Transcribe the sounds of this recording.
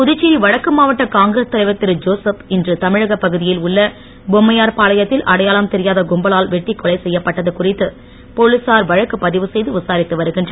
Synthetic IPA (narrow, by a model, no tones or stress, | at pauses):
pʊðʊt͡ʃːiːɾiʋɐɻɐkːɯmaːʋɐʈːɐkaːŋɡɾest̪ɐlɐɪʋɐt̪ːɪɾɯd͡ʒoːsɐpɪndrɯt̪ɐmɪɻɐɣɐpːɐɣɯðɪjɪlʊɭːɐ | bɔmːɐjaːɾpaːlɐjɐt̪ːɪlʔɐɽɐjaːlɐmt̪ɛɾɪjaːðɐɡʊmbɐlaːlʋɛʈːikːɔlɐɪsɛjːɐpːɐʈːɐðɯkʊrɪt̪ːɯ | pɔɭɯsaːɾʋɐɻɐkːɯpɐðɪʋɯsɛjðɯʋɪsaːɾɪt̪ːɯʋɐɾɯɣɪndrɐ